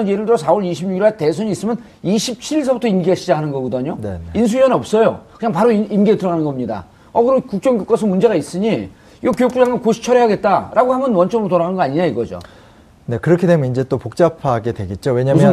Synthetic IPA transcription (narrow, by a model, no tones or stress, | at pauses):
ʌnjeɾɯɭdoɾosʰawʌɾiɕʰibɲuɡiɾwaɭte̞sʰʌɲiːs͈ɯmjʌn | iɕʰip̚t͡ɕʰiiɭs̬ʰʌbutʰʌinɡiaɕʰid͡ʑaɦanɯnɡʌɡɯdʌɲonḛins̬ʰuiʌnʌp̚s͈ʌjokɯɲaŋpaɾoiinɡietɯɾʌɡanɯnɡʌmɲida̰ | ʌkɯɾʌnkuk̚t͡ɕ͈ʌŋɡjuk͈ʌsʰɯmund͡ʑe̞ɣais͈ɯɲi | iɡʌkjojukpud͡ʑaŋɯnkoɕʰi̥t͡ɕʰʌɾeɦaɡe̞t̚t͈aɾʔaɡoɦamjʌnwʌnt͡ɕ͈ʌmɾotoɾaɡaɯnŋɡʌaɲiɲaiɡʌd͡ʑo̰ | ne̞kɯɾʌkʰidemjʌnind͡ʑe̞t͈opok̚t͡ɕ͈apʰaɡe̞dwe̞ɡet̚t͡ɕ͈owe̞ɲamjʌ